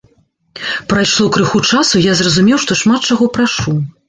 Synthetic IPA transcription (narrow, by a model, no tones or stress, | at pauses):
pɾajʂlˠɔkɾɨxut͡ʂasujazrɐzumʲɛwʂt̪ɔʂmat̪̚t͡ʂaɣɔpɾaʂu